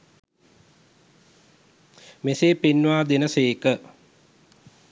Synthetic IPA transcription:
meseːpenːʋaːd̪enəseːkə

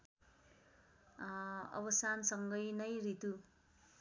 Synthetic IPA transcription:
ʌ̰bʌsansʌŋɡʌjnʌjɾit̪u

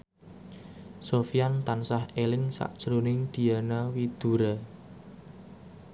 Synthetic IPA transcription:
sofijant̪ansahelɪŋsa̰ʔd̥ʒ̥ɾonɪŋd̪̥i̤anawid̪̥uɾa

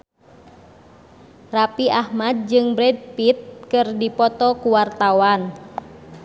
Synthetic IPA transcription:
rapiʔahmad̚d͡ʒɨŋbɾɛd̚pit̪̚kɨrdipɔt̪ɔkuwart̪awan

